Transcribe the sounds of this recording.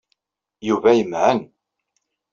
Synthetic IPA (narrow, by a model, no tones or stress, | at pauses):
juvæjəmʕən